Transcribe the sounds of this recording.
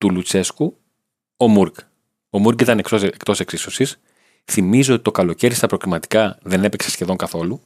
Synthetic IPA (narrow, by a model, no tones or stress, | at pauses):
t̪ulut͡se̞sku | omuɾɡ | o̞muɾkit̪ɐnekoekt̪o̞se̞ksiso̞sis | θimizoot̪i̥t̪o̞kɐlo̞ce̞ɾist̪ɐpɾoɣlimɐt̪i̥kɐðe̞ne̞pe̞ksesçe̞ðo̞ŋkɐθo̞lu